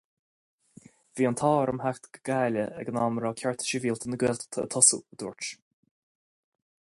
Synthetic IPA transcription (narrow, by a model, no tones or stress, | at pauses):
viːənt̪ʰɔːɾəmhakt̪ɡəɡ̥aːləɛ̰ɡənaːməɾɔːkʰjɔɹt̪ʰə̥ʃiviːlt̪ʰənəɡɛːlt̪ʰə̰t̪ʰɔsṵəd̪ṵːɹt͡ʃ